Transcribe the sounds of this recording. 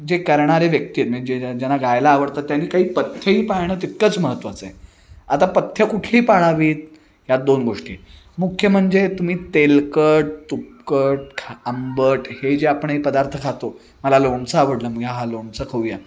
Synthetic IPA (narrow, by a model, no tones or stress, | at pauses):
d͡ʑekəɾɳaɾeʋjək̚t̪iət̪məd͡ʑed͡ʑanːaɡajlaːʋəɽt̪at̪ːjanːiːkaɦiːpət̪ʰːjəiːpajɽ̃əːt̪it̪̚kət͡sməɦət̪ːʋat͡sːe | at̪apət̪ʰjəkuʈʰliːpaɭaʋiːt̪̚ | jad̪onɡoʂʈḭː | mukʰjəm̤əɳd͡zet̪um̤iːt̪elkəʈ̚t̪up̚kəʈ̚kʰaəmbəʈhed͡ʑeapəɳepəd̪aɾt̪ʰəkʰat̪o | məlaloɳt͡səaʋəɽləməɡjaɦaloɳt͡səkʰəwja